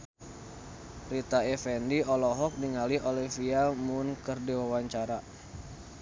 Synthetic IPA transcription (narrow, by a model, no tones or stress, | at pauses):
rit̪aɛfɛndiɔlɔɦɔk̚niŋaliɔlifiamʊnkɨrdiwawaɲt͡ʃaɾa